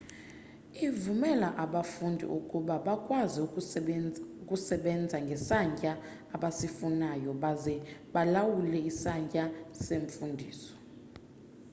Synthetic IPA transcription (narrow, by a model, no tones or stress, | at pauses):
ivumɛlaʔaɓafundʱḭʔukʼuɓaɓakʼwazi | ukʼusɛɓɛnd͡zʱaŋɡʱɛsaɲcʼaː | ɓasifunajɔɓazɛɓalawulɛisaɲcʼaseɱfundʱḭːsɔ̥